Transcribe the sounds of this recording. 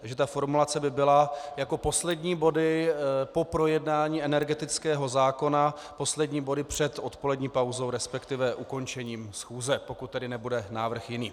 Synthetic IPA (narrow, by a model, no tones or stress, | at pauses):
ʒɛt̪afo̞ɾmulat͡sɛbɪbɪlajako̞po̞slɛdɲiːbo̞dɪpo̞pɾo̞jɛdnaːɲiːɛnɛɾɡɛt̪ɪt͡skɛːɦo̞zaːko̞na | po̞slɛdɲiːbo̞dɪpr̝̥ɛt̪ot̪po̞lɛdɲiːpawzo̞wɾɛspɛkt̪ɪvɛʔuko̞nt͡ʃɛɲiːmsxuːzɛpo̞kut̪ːɛdɪnɛbudɛnaːvr̩xjɪniː